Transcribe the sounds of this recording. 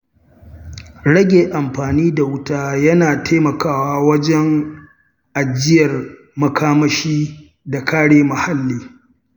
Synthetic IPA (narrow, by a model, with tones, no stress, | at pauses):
ɽɐ˦ɡʲeː˨ʔa˨mɸaː˨niː˦da˨wʊ˦taː˦jɐ˦naː˨tʰeː˦mɐ˨kaː˦˨waː˦wɐ˦d͡ʒɛ˦ŋ | ʔa˨d͡ʒɪ˦jɐ˨r | mɐ˨kaː˦mɐ˦ʃiː˦ | da˨kaː˦ɽeː˦mɐ˨ha˦lːiː˨